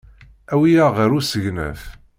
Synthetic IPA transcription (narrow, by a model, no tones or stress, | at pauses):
æwijæʁəɾusəʝnæ̰f